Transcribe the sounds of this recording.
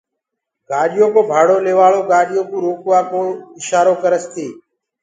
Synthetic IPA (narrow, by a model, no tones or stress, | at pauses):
ɡaːɗɪjoːkoːbʱaːɽoːleːʋaːɭoːɡaːɗɪjoːkũːɾoːkʋaːkoːɪʃaːɾoːkəɾəst̪iː